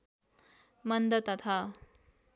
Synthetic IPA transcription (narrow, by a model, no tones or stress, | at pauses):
mənd̪ət̪ɐt̪ʰa